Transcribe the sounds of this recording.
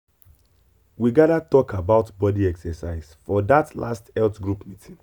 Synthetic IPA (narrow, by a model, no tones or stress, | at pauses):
wiɡadatɔkʰabaʊtbɔdiɛksɛsaɪz̥fɔdatla̰stɛltɡɹupmitʰĩn